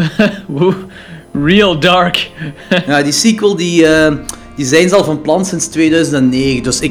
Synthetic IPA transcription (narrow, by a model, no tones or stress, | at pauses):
wu | ɹilˠdɑɹkjaːdisikwəlˠdiə | d̥izɛjnzɑlˠvɑnplɑnsɪnstweːdœɥzəntɛnːeːɣəndɵsɪk